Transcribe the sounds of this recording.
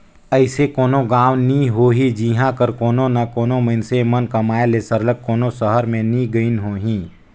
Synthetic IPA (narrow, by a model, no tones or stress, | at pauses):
əɪsekoːnõɡaːwnĩɦoːɦid͡ʒiːɦãkəɾkoːnõnakoːnoməɪnsemənkɐmaːelesəɾləɡ̚koːnosəɦəɾmẽnĩɡəinɦoːɦĩː